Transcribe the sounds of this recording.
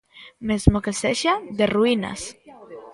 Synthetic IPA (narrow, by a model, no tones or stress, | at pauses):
mezmokeseʃad̪eruina̰s